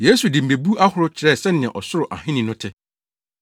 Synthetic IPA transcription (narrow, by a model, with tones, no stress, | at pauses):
je˦su˨dɪ˨m̩˨be˨bu˦a˦hʊ˨ɾʊ˦t͡ɕʰɪ˨ɾɛ˦˨sɛ˦nɪ̃˨ɛ̃˨ʔɔ˨sʊ˦ɾʊ˨ʔa̰˨ɦɪ̃˦nĩ˨nʊ̃˦tʰɪ˦